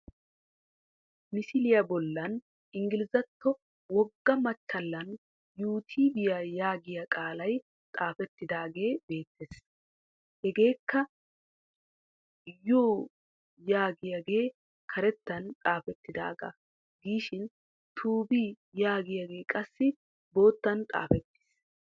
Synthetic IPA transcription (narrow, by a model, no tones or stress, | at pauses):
mɪsɪlɪjɐbɔlːɐn | ʔɪŋɡɪlɪzɐt̪ːɔ | wɔɡːɐmɐt͡ʃːɐlːɐn | juːt̪ʰiːbɪjajaːɡɪjɐkʼaːlɐj | t̪ʼaːfɛt̪ːɪd̪aːɡe̞ːbe̞ːt̪ːeːs | hɛɡe̞ːkːɐ | joː | jaːɡɪjaɡe̞ː | kʰɐɾɛt̪ːɐnt̪ʼaːfɛt̪ːɪd̪a̰ːɡɐ̰ | ɡiːʃɪn | t̪ʰuːbiː | jaːɡɪjaɡe̞ːkʼɐsːɪ | bo̞ːt̪ːɐnt̪ʼa̰ːfɛt̪ːɪ̥ːs